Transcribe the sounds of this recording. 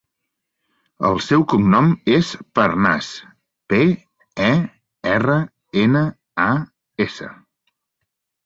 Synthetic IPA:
ə̰lˠsɛwkumnɔmespəɾna̰s | pe | ɛ | ɛrə | enə | a | esə̰

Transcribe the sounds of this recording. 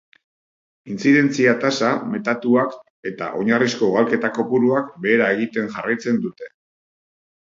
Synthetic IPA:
int͡siðe̞nt͡siat̪asame̞t̪at̪uak | e̞t̪a̰ʔo̞ɲarisko̞ɣalke̞t̪ako̞puɾuakbe̞ːɾae̞ɣ̞it̪e̞ŋʝarajt͡se̞nd̪ut̪e̞̥

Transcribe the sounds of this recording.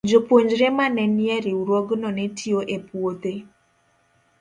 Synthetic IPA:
d͡ʒopwoɲd͡ʒɾemanɛniɛɾiuɾwɔɡnɔnetʰioʔepwot̪e

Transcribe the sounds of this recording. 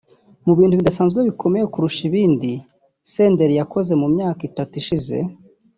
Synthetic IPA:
muβiːnduβidasaːnzɡweβiko̞me̞jekuɾuʃiβiːndi | se̞ːnde̞ɾijako̞ze̞mumɲaːkitatiʃize̞̰

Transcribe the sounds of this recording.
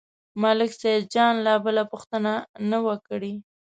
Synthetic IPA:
malɪksad̪̚d͡ʒɑnlabəlapʊxt̪ənanawəkɽi

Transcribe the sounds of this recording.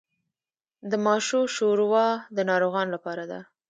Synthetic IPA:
d̪əmɑʃoʃoɾwɑd̪ənɑɾoɣɑnlapɑɾad̪a̰

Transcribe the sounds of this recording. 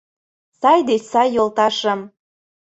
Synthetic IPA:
sɑjd̪et͡ɕsɑjːolˠt̪ɑʃɤ̆m

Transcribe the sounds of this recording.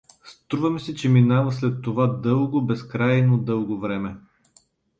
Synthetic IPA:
st̪ɾuvɐmɛsɛt͡ʃɛminavɐslɛt̪ːovad̪ɤlˠɡobɛskɾajnod̪ɤlˠɡovɾɛmɛ

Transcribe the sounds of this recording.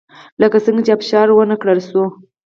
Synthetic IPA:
ləkasəŋɡat͡ʃeapʃɑɾwənəkɽəlso

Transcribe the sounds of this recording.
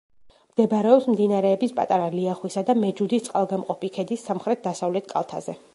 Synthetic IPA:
md̪̥ɛbɾɛɔpsmd̪inaɾɛːbispʼa̰t̪ʼaɾaliaχwisad̪amɛd͡ʒud̪ist̪sʼqʼalˠɡamqʼɔpʰikʰɛd̪isːamχɾɛt̪̚ʰd̪asavlɛt̪̚ʰkʼa̰lˠt̪ʰa̰zɛ

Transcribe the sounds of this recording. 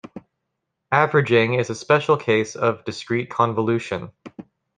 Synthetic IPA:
ævɹɨd͡ʒɪ̃ŋɪzɨspɛʃl̩ˠkʰeɪsʌvdɨskɹ̥it̚kʰɑ̃nvəlʉʃɨ̃n

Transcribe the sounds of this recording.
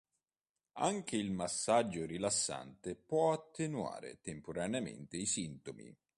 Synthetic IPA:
a̰ŋk̟eilmasːad͡ʒːorilasːa̰nt̪epwɔat̪ʰːenua̰ːɾḛt̪empoɾaneamḛnt̪eisint̪omḭ

